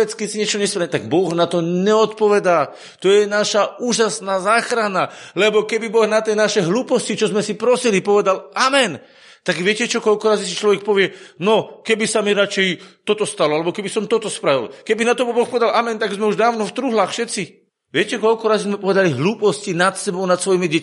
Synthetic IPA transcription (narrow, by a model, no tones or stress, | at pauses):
ɛt͡skɛcsiɲɪɛt͡ʃɔɲɛspɾat̪aɡbɔɣnat̪ɔɲɛɔt̪pɔʋɛd̪aː | t̪ɔjɛnaʃauːʒasnaːzaːxɾanalɛbɔkɛbibɔɣnat̪iɛnaʃɛɦluːpɔscit͡ʃɔzmɛsipɾɔsilipɔʋɛd̪alʔamɛn | t̪aɡʋɪɛcɛt͡ʃɔkɔlkɔɾaːzisit͡ʃlɔʋɛk̚pɔʋɪɛnɔkɛbisamiɾat͡ʃɛjt̪ɔt̪ɔst̪alɔalɛbɔkɛbisɔmt̪ɔt̪ɔspɾaʋḭlkɛbinat̪ɔbɔbɔxpɔʋɛd̪alamɛnt̪aɡzmɛuʒd̪aːʊnɔft̪ɾuɦlaːxfʃɛt̪si | ʋɪɛcɛkɔlkɔɾaːzizmɛpɔʋɛd̪aliɦluːpɔscinat̪sɛbɔʊnat̪sʋɔjimiɟɛc